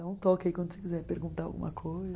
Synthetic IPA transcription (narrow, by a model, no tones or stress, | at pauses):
ãũt̪ɔkɪaikwɐ̃nd̪ʊsekizɛɾpeɾɡũnt̪aɾa̰wɡṵmɐkʰojz